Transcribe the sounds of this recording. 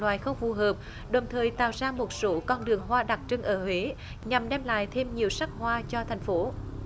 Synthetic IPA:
lwaː˧˨jxə˧wŋ͡mfu˨˩ɦəː˨˩p̚ | ɗə˨˩wŋ͡mt̪ʰəː˨˩jt̪a̰ː˧˨wzaː˧mo˨˩t̚so˨˦kɔ˧nɗɨ˨˩əŋɦwaː˧ɗa˨˩k̚t͡ɕɨ˧ŋʔəː˧˩hwe˨˦ | ɲa˨˩mɗɛ˧mla̰ː˧˨jt̪ʰe˧mɲi˨˩əwsa˦˥k̚hwaː˧t͡ɕɔ˧t̪ʰa˨˩jŋ̟fo˨˦

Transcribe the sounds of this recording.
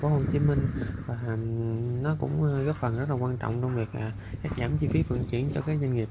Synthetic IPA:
fo˨˦ho˧˩t͡ɕi˨˦mï˧ŋ̟vaː˨˩ | nɔ˨˦kʊ̰˧˥ŋ͡mɣəː˦˥p̚fə˨˩nzə˦˥t̚la˨kwaː˧nt͡ɕɔ̰˧˨wŋ͡mt͡ɕɔ˧wŋ͡mvi˨˩ək̚aː˨˩ | kaː˦˥k̚zaː˧˩mt͡ɕi˧fi˨˦fə̰˧˨ŋt͡ɕḭ˧˨ənt͡ɕɔ˧kaː˨˦˥k̚zə˧nŋi˨˩p̚

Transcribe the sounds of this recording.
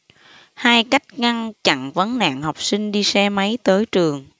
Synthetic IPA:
haː˧jka˦˥jk̟̚ŋa˧nt͡ɕa̰˧˨nvə˨˦nna̰ː˧˨ŋha˨˩wk͡p̚sï˧ŋ̟ɗi˧sɛ˧ma˨˦jt̪əː˨˦jt͡ɕɨ˨˩əŋ

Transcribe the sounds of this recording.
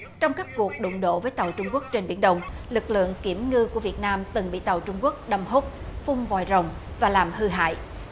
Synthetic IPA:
t͡ɕɔ˧wŋ͡mkaː˦˥k̚ku˨˩ək̚ɗʊ̰˧˨ŋ͡mɗo̰˧˨vəː˨˦jt̪a˨˩wt͡ɕʊ˧ŋ͡mku˦˥ək̚t͡ɕe˧nɓḭ˧˩ənɗə˨˩wŋ͡mlɨ˨˩k̚lɨ̰˧˨əŋki˧˩əmŋɨ˧ku˧˩əvi˨˩ət̚naː˧mt̪ɨ˨˩ŋɓḭ˧˨t̪a˨˩wt͡ɕʊ˧ŋ͡mku˦˥ək̚ɗə˧mho˦˥p̚fʊ˧ŋ͡mvɔ̰˨˧˩jzə˨˩wŋ͡m | vaː˨˩laː˨˩mhɨ˧ɦa̰ː˧˨j

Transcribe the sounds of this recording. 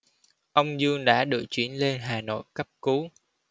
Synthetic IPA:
ʔə˧wŋ͡mzɨ˧əŋɗa̰ː˧˥ɗɨ̰˧˨˩k̚t͡ɕwḭ˧˩ənle˧nɦaː˨˩no̰˧˨jkə˦˥p̚ku˨˦

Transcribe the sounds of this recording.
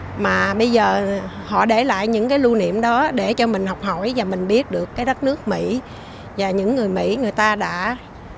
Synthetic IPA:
maː˨˩ɓə˧jzəː˨˩ | hɔ̰˧˨ɗe˧˩la̰ː˧˨jɲɨ̰˧˥ŋkaː˨˦jlu˧nḭ˧˨əmɗɔ˨˦ɗe˧˩t͡ɕɔ˧mï˨˩ŋ̟ɦɔ˨˩wk͡p̚ho˧˩jvaː˨˩mï˨˩ŋ̟ɓi˦˥ət̚ɗɨ˨˩əkːaː˨˦jɗə˦˥t̚nɨ˦˥ək̚mḭ˧˥ | vaː˨˩ɲɨ̰˧˥ŋːɨ˨˩əjmḭ˧˥ŋɨ˨˩əjt̪aː˧ɗa̰ː˧˥

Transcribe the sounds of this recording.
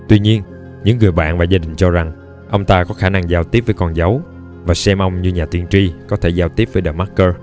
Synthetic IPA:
t̪wi˧ɲi˧ən | ɲɨ̰˧˥ŋːɨ˨˩əjɓa̰ː˧˨nvaː˨˩zaː˧ɗï˨˩ŋ̟t͡ɕɔ˧za˨˩ŋ | ʔə˧wŋ͡mt̪aː˧kɔ˨˦xaː˧˩na˧ŋzaː˧wt̪i˦˥əp̚vəː˨˦jkɔ˧nzə˨˦w | vaː˨˩sɛ˧mʔə˧wŋ͡mɲɨ˧ɲaː˨˩t̪i˧ənt͡ɕi˧kɔ˨˦t̪ʰe˧˩zaː˧wt̪i˦˥əp̚vəː˨˦jɗaː˨˧˩ma˦˥kəː˧

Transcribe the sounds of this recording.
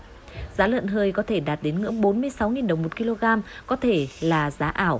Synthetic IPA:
zaː˨˦lə̰˧˨nɦəː˧jkɔ˨˦t̪ʰe˧˩ɗaː˨˩t̚ɗe˨˦nŋɨ̰˧˥əŋɓo˨˦nmɨ˧əjsa˨˦wŋi˨˩nɗə˨˩wŋ͡mmo˨˩t̚ki˧lo˧ɣaː˧mkɔ˨˦t̪ʰe˧˩laː˨˩zaː˨˦ʔaː˧˩w

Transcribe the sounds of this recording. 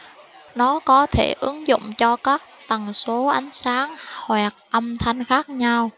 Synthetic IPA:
nɔ˨˦kɔ˨˦t̪ʰe˧˩ʔɨ˨˦ŋzʊ̰˧˨ŋ͡mt͡ɕɔ˧kaː˦˥k̚t̪ə˨˩nso˨˦ʔa˨˦jŋ̟saː˨˦ŋhwɛː˨˩k̚ʔə˧mt̪ʰa˧jŋ̟xaː˦˥k̚ɲa˧w

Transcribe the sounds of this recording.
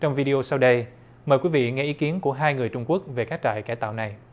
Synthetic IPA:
t͡ɕɔ˧wŋ͡mvi˧ɗi˧o˧sa˧wɗə˧j | məː˨˩jkwi˨˦vḭ˧˨ŋɛ˧ʔi˨˦ki˨˦ənku˧˩əɦaː˧jŋɨ˨˩əjt͡ɕʊ˧ŋ͡mku˦˥ək̚ve˨˩kaː˦˥k̚t͡ɕa̰ː˧˨jkaː˧˩jt̪a̰ː˧˨wna˨˩j

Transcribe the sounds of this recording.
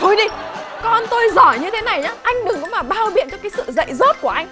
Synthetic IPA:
t̪ʰo˧jɗi˧kɔ˧nt̪o˧jzɔ˧˩jɲɨ˧t̪ʰe˨˦na˨˩jɲaː˨˦ʔa˧jŋ̟ɗɨ˨˩ŋkʊ̰˨˧˥ŋ͡mmaː˨˩ɓaː˧wɓḭ˧˨ənt͡ɕɔ˧kaː˨˦jsɨ̰˧˨zə̰˧˨jzo˦˥t̚ku˧˩əʔa˧jŋ̟

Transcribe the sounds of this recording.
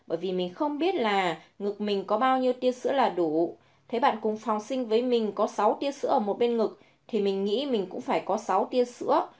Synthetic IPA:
ɓəː˧˩jvi˨˩mï˨˩ŋ̟xə˧wŋ͡mɓi˦˥ət̚laː˨˩ŋɨ˨˩k̚mï˨˩ŋ̟kɔ˨˦ɓaː˧wɲi˧əwt̪i˧əsɨ̰˧˥əlaː˨˩ɗu˧˩ | t̪ʰe˨˦jɓa̰ː˧˨nkʊ˨˩ŋ͡mfa˨˩wŋ͡msï˧ŋ̟vəː˨˦jmï˨˩ŋ̟kɔ˨˦sa˨˦wt̪i˧əsɨ̰˧˥ʔəː˧˩mo˨˩t̚ɓe˧nŋɨ˨˩k̚ | t̪ʰi˨˩mï˨˩ŋ̟ŋḭ˧˥mï˨˩ŋ̟kʊ̰˧˥ŋ͡mfaː˧˩jkɔ˨˦sa˨˦wt̪i˧əsɨ̰˧˥ə

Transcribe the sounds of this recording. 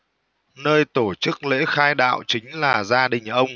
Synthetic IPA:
nəː˧jt̪o˧˩t͡ɕɨ˦˥k̚lḛ˧˥xaː˧jɗa̰ː˧˨wt͡ɕï˨˦ŋ̟laː˨˩zaː˧ɗï˨˩ŋ̟ʔə˧wŋ͡m

